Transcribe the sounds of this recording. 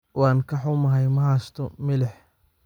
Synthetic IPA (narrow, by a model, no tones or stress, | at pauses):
wɑːnkʰɐħʊmɐɦɐjmɐɦast̪ʰɔmɪlɛħ